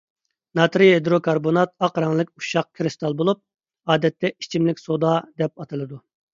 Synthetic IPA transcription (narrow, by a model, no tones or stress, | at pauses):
nɑt̪ɾiɦed̪ɾokʰɑɾbonɑt̪̚ɑqɾɑŋlˠɨkʲuʃɑq̚kʰɾɨst̪ɑlˠbolˠup̚ | ɑːd̪ɛt̪ʰːɛit͡ʃʰimlɪkʲsod̪ɑd̪ɛp̚ɑt̪ʰɨlˠɨd̪u